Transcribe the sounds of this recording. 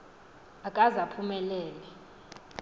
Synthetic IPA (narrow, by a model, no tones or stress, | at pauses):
akʼazapʰumɛlɛːlɛ